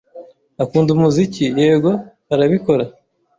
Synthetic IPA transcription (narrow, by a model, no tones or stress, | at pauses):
akuːndumuzicieːbɡo̞haɾaβiko̞ɾa